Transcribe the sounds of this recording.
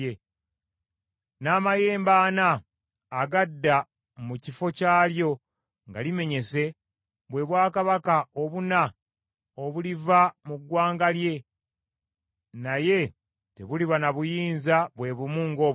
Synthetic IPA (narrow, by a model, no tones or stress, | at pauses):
e | naːmaje̞ːmbaːnaː | ɡadːa | mucifo̞caːljo̞ | ŋɡa̰lime̞ɲe̞se̞ | βwe̞βwaːkaβakao̞βuna | oβulivamuɡwaːŋɡalje̞ | naje̞ | te̞̰βuliβanaβujiːnzaβwe̞βumuːŋɡo̞ː